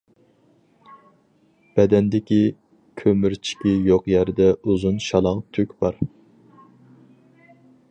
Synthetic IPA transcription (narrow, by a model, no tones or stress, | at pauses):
b̥ɛd̪ɛnd̪ɪkʲi | kʲʰømyɾt͡ʃʰi̥kʲijoqjæɾd̪ɛuzunʃɑlˠɑŋt̪ʰykʲb̥ɑɾ